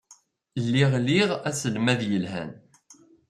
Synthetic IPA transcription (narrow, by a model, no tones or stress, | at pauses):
lːiʁliʁæsəlmæðjəlɦæ̰n